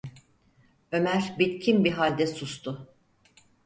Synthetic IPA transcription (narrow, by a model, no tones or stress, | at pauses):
ø̞mæɾbit̪cʰimbiɦalʲd̪ɛsust̪ʰʊ